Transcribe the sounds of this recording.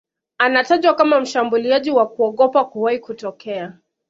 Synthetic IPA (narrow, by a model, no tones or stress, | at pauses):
anataʄwakamam̩ʃambuliaʄiwakuɔɠɔpakuwaikutɔkɛa